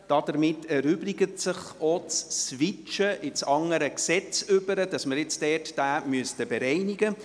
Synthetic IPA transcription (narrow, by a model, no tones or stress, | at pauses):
d̥ɑd̥əɾmɪtʰːɛɾʏblɪɡətsəχot͡sːʋɪt͡ʃəʔɪt͡sɑŋəɾəksɛt͡sʏbəɾəd̥ɑsməɾjɪt͡sd̥ɛːrtd̥æːmyəstəbɛɾɛɪnɪɡə